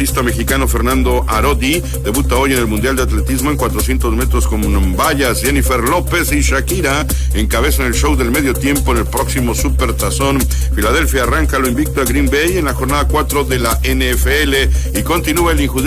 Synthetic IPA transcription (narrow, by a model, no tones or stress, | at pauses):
ist̪ame̞xikano̞fe̞ɾnand̪o̞ʔaɾo̞d̪i | d̪e̞βut̪ao̞je̞ne̞lmund̪jald̪eat̪le̞t̪izmo̞eŋkwat̪ɾo̞sje̞nt̪ozme̞t̪ɾo̞sko̞mbaʝasd͡ʒenifeɾlo̞pe̞siʃakiɾa | eŋkaβe̞sane̞lʃo̞wðelme̞ð̞jo̞t̪je̞mpoene̞lpɾo̞ksimo̞supe̞ɾt̪aso̞n | filað̞e̞lfjaːraŋkaloimbik̚t̪oaɡɾimbeje̞nlaxo̞ɾnaðakwat̪ɾo̞ðelaʔenefeeleiko̞nt̪inuaeliŋxu